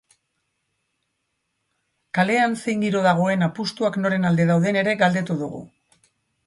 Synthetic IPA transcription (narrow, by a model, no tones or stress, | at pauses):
kale̞ansejŋɡ̪iɾo̞ðaɣ̞o̞e̞napust̪uakno̞ɾe̞nald̪e̞ðawðe̞ne̞ɾe̞ɣald̪e̞t̪uðuɣṵ